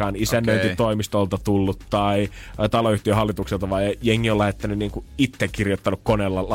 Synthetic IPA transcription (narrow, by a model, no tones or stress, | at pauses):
ɑːnisænːøyt̪it̪oimist̪olt̪ɑt̪ulːut̪tɑit̪ɑloyht̪iøɦɑlːit̪ukselt̪ɑʋɑijeŋːiolːæhet̪ːɑnyniːŋkuit̪ːekkirjot̪ːɑnukkoneːlːɑ